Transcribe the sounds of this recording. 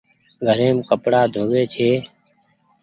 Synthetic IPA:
ɡʱəɾeːmkəpɽaːd̪ʱoːʋeːt͡ʃʰeː

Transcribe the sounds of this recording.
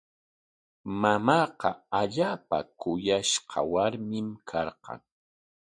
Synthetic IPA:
mamɑːqɑaʎaːpa̰kʊjaʃqɑ̰waɾmɪmkʰɑɾqɑ̰ŋ

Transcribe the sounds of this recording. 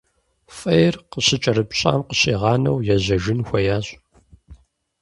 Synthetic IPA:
fʼɐjrqəɕɪt͡ʃʼɐɾɨpɕʼa̰ːmqəɕʼiːʁɑːnɐ̰wjɛʑɐʒɪnxʷɐjaːɕʼ

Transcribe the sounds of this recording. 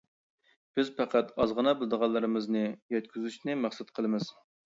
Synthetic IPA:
b̥ɪzpæqʰæt̪ɑzʁənɑbɨlˠɨd̪əʁɑlˠːɨɾɨmɨznɨjɛt̪̚kʲʰyzyʃnɪmæχsɨt̪qʰəlˠɨmɨz̥

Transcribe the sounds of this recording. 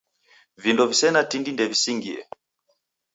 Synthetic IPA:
vindɔvisɛnatindindɛvisiŋɡiɛ̰

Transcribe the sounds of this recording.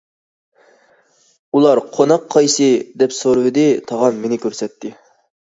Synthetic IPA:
ulˠɑɾqʰonɑqʰːɑjsɨd̪ɛpsoɾɨwɪd̪ɨt̪ʰɑʁɑnmenɪkʲøɾsɛt̪ʰːɪ

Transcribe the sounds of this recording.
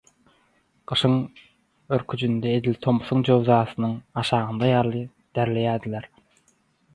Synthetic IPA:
ɢ̥ɯʃɯŋ | øɾkʰyd͡ʒynd̪eed̪ilʲt̪ʰo̞muθuŋd͡ʒøwzɑːsɯnɯŋɑʃɑːʁɯnd̪ɑjɑɾlˠɯ | d̪̥æɾle̞jæːd̪ilʲeɾ

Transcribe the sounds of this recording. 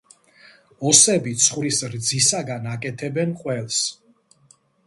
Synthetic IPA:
ɔsɛbit̪sʰχwɾisɾd̪zisaɡanakʼɛt̪ʰɛbɛnqʼwɛlˠs

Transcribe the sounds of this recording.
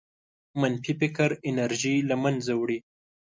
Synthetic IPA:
manfipɪkaɾɪnaɾʒilamanzawɽi

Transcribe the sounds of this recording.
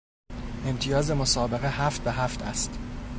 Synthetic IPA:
e̞mt̪ʰijɒːze̞mosɒːbe̞ɣehæft̪̚beɦæft̪ʰæ̰st̪

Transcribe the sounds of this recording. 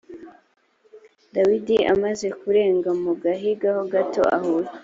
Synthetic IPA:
dawidia̰maze̞kuɾe̞ːŋɡamuɡaɦiɡahoɡato̞̰a̰huɾa

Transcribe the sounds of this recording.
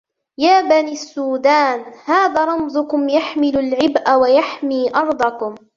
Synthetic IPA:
jaːbaniːasːuːd̪aːnhaːðaːɾˤɑmzʊkʊmjaħmɪlʊlʕɪbʔawajaħmiːʔɑɾˤd̪ˤɑkʊm

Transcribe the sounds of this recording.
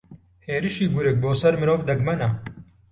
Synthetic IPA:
heːɾɨʃiːɡʊɾɨk̚boːsɐɾmɨɾoːvd̪ɐɡmɐnɐ

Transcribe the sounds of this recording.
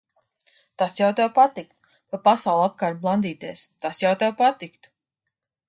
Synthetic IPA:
t̪asjawt̪ajpat̪ik̚t̪ | papasawlˠap̚kaɾt̪̚blˠand̪iːt̪eɛst̪asjawt̪ajpat̪ikt̪

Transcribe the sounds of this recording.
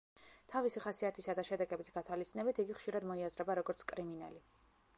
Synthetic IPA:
t̪ʰavisiχasiat̪ʰisad̪aʃɛd̪ɛɡɛbit̪ʰɡ̥at̪ʰwalit̪sʰʼinɛbit̪ʰiɡiχʃiɾad̪mɔiazɾɛbaɾɔɡɔɾt̪sʰkʼɾimina̰li

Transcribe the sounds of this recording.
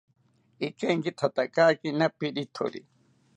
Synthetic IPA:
ikẽŋɡit̪ʰat̪akaːkinapiɗit̪ʰo̰ɾḭ

